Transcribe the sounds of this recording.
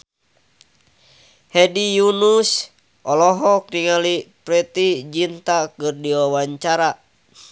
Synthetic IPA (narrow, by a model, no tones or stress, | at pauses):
hɛdijunus | ʔɔlɔɦɔk̚niŋalipɾɛt̪id͡ʒint̪akɨrdiwawaɲt͡ʃaɾa